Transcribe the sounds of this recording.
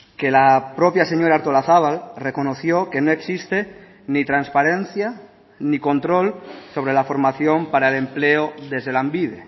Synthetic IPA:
kelapɾopjaseɲoɾaɾt̪olaθaβ̞alrekonoθjoke̞noeksist̪e | nit̪ɾanspaɾen̟θja | niko̞nt̪ɾolso̞β̞ɾelafo̞ɾmaθjompaɾaelempleoðezðelambiðe

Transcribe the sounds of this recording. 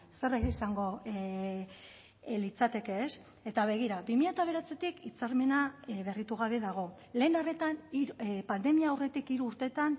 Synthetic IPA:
se̞reɣeisaŋɡo̞ | lit͡sat̪e̞ke̞ːs | e̞t̪aβ̞e̞ɣiɾabimiʎat̪aβ̞e̞ɾat͡se̞t̪ikit͡saɾme̞naβe̞rit̪uɣ̞aβe̞ðaɣ̞o̞ | le̞ːnare̞t̪aniɾpand̪e̞miaːwre̞t̪ikiɾuːɾt̪e̞t̪an

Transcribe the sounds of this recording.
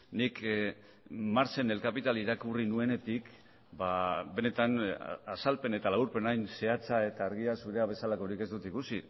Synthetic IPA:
nik | maɾt͡se̞ne̞lkapit̪aliɾakurinue̞ne̞t̪ik | babe̞ne̞t̪anasalpe̞ne̞t̪alauɾpe̞najnse̞at͡sae̞t̪aːɾɣiasuɾe̞aβ̞e̞salako̞ɾike̞zd̪ut̪ikusi

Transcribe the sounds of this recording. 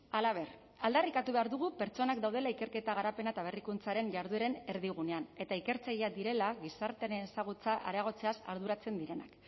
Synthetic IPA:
alaβ̞e̞r | ald̪arikat̪uβe̞aɾðuɣ̞upe̞ɾt͡ʃo̞nak̚d̪awð̞e̞laike̞ɾke̞t̪aɣ̞aɾape̞naet̪aβ̞e̞rikunt͡saɾe̞ɲʝaɾðueɾe̞ne̞ɾðiɣ̞une̞ane̞t̪aike̞ɾt͡sajiad̪iɾe̞laɣisaɾt̪eneesaɣ̞ut͡saʔa̰ɾaɣ̞o̞t͡se̞asaɾð̞uɾat͡se̞nd̪iɾe̞na̰k

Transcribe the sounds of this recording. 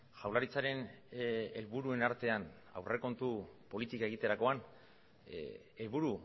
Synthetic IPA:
ʝawlaɾit͡saɾe̞n | e̞lβuɾue̞naɾt̪e̞ana̰wrʔe̞ko̞nt̪upo̞lit̪ikaeɣit̪e̞ɾako̞an | e̞lβuɾu

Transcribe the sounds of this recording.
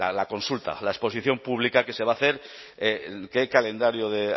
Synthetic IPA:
alako̞nsult̪a̰lae̞spo̞siθjo̞mpuβ̞likake̞se̞β̞aθe̞ɾ | eke̞kale̞nd̪aɾjoðe̞

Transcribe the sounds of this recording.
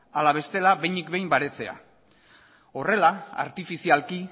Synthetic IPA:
alaβ̞e̞st̪e̞laβe̞jnikbe̞jmbaɾe̞t͡se̞a̰ | o̞re̞laa̰ɾt̪ifisialki

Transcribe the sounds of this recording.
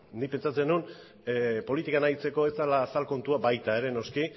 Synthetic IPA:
nipe̞nt͡sat͡se̞nun | po̞lit̪ikanajt͡se̞ko̞e̞salaːsalko̞nt̪uabajt̪ae̞ɾe̞no̞ski

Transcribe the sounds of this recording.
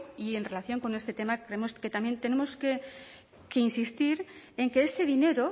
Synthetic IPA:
ie̞nre̞laθjo̞ŋko̞ne̞st̪e̞t̪e̞makɾeemo̞ske̞t̪amje̞nt̪e̞ne̞mo̞ske̞ | ke̞insist̪iɾe̞ŋke̞ese̞ðine̞ɾo

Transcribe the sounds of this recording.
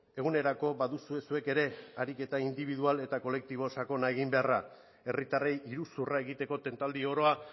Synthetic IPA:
e̞ɣ̞une̞ɾako̞baðusue̞sue̞ke̞ɾe̞aɾike̞t̪aind̪iβ̞iðuale̞t̪ako̞le̞k̚t̪iβ̞o̞sako̞nae̞ɣimbe̞ara | e̞rit̪arejiɾusurae̞ɣit̪e̞ko̞t̪e̞nt̪ald̪io̞ɾo̞a

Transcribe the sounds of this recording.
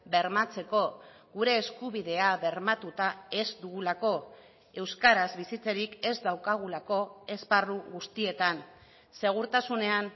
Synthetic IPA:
be̞ɾmat͡se̞ko̞ | ɣuɾe̞ːskuβiðe̞aβe̞ɾmat̪ut̪ae̞zd̪uɣulako̞ | e̞wskaɾazβisit͡seɾike̞zd̪awkaɣ̞ulako̞e̞zparuɣust̪ie̞t̪an | se̞ɣ̞uɾt̪asune̞an

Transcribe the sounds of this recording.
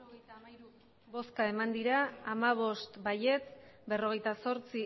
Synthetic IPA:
bo̞skae̞mand̪iɾaːmaβ̞o̞st̪baje̞t͡sbe̞ro̞ɣ̞e̞jt̪aso̞ɾt͡si

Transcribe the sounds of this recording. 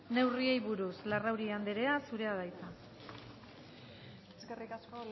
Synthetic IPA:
ne̞wrie̞jβuɾuslarawɾiand̪e̞ɾe̞asuɾe̞aðajt͡s̪a | eskerikasko

